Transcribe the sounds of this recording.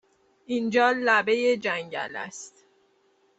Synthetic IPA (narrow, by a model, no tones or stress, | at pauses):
ind͡ʒɒːlæbe̞jed͡ʒæɲɟæ̰læ̰st̪